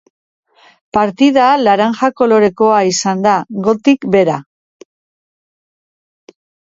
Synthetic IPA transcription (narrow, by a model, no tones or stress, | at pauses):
paɾt̪ið̞alaɾaŋʝako̞lo̞ɾe̞ko̞aisand̪aɣo̞t̪ikbe̞ɾa